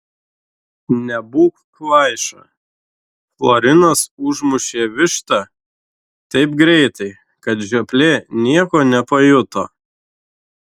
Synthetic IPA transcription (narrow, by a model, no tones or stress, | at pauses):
nʲɛbuːkklɐɪʃɐ̰ | flˠoːɾʲɪnɐsʊʒmʊʃʲeːʋʲɪʃt̪ɐ | t̪ɐɪpɡɾʲɛɪt̪ɐɪ | kɐt̪ʒʲɛpʲlʲeːnʲiɛkoːnʲɛpɐjʊt̪oː